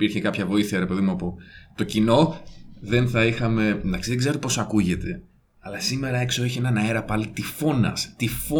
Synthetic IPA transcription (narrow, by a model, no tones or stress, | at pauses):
piɾçekɐpçɐvo̞iθiɐɾe̞pe̞ðimuɐpo̞t̪o̞cino̞ðe̞nθɐixɐme̞nd̪ɐksiðe̞ɡzeot̪epo̞sɐkuʝe̞t̪e̞ | ɐlɐsime̞ɾɐe̞kso̞eçienɐnɐeɾɐpɐlit̪ifo̞nɐ̰st̪ifo